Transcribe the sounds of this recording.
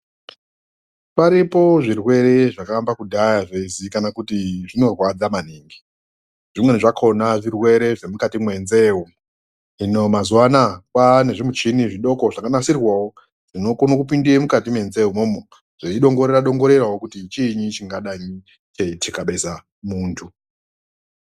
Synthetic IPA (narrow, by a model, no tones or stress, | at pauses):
paɾipo̞ʐirwe̞ɾe̞ʐakambakudʱajaʐeizikanakutiʐino̞rwad͡zamaniːŋɡi | ʐ̥imwe̞neʐakʰo̞naʐirwe̞ɾe̞ʐe̞mukatimwe̞nze̞wu | inomazuwanakwane̞ʐimut͡ʃiniʐiɗo̞ko̞ʐakanasirwawo | ʐ̥ino̞konokupindiemukatimwe̞nzeɦumomo | ʐ̥eiɗo̞ŋɡo̞ɾeɾaɗo̞ŋɡo̞ɾe̞rawokutit͡ʃiːɲit͡ʃiŋɡaɗaɲi | t͡ʃeitikaɓe̞sa | muːntʰu